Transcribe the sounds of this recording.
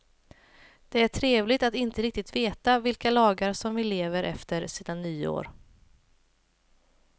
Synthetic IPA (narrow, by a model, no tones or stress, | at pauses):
d̪̥ɛæʈʰɾeːvlɪɡt̪at̪ɪnt̪əɾɪk̚t̪ɪt̪veːt̪avɪlkalɑːɡaɾsɔmvɪleːvəɾʔɛ̰ft̪əɾsiːd̪anyːo̰ːɾ